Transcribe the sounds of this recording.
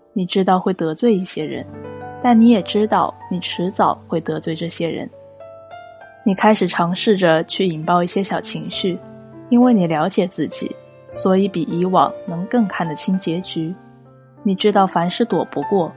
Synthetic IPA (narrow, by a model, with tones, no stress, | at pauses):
ni˨˩ʈ͡ʂɻ̩˥t̪ɑ˥˧ʊxwe˥˩ɪt̪ɤ˧˥t͡swe˥˧ɪi˥˩ɕjɛ˥ɻə̰˧˥nt̪a˥˩nni˧˥jɛ˨˩ʈ͡ʂɻ̩˥t̪ɑ˥˩ʊni˨˩ʈ͡ʂʰɻ̩˧˥t͡sɑ˨˩˦ʊxwe˥˩ɪt̪ɤ˧˥t͡swe˥˧ɪʈ͡ʂɤ˥˩ɕjɛ˥ɻə̰˧˥n | ni˨˩kʰa˥ɪʂɻ̩˨˩ʈ͡ʂʰɑ˧˥ŋʂɻ̩˥˩ʈ͡ʂə˩t͡ɕʰy˥˩i˨˩ŋpɑ˥˧ʊi˥˩ɕjɛ˥ɕjɑ˨˩ʊt͡ɕʰi˧˥ŋɕy˥˩ | i˥nwe˥˩ɪni˨˩ljɑ˧˥ʊt͡ɕjɛ˨˩t͡sɹ̩˥˩t͡ɕḭ˨˩˦ | swɔ˧˥i˧˥pi˨˩ʔi˧˥wɑ̰˨˩˦ŋnɤ˧˥ŋkɤ˥˧ŋkʰa˥˩nd̪ə˩t͡ɕʰi˥ŋt͡ɕjɛ˧˥t͡ɕy˧˥ | ni˨˩ʈ͡ʂɻ̩˥t̪ɑ˥˩ʊfa˧˥nʂɻ̩˥˩t̪wɔ˨˩pu˧˥kwɔ˥˩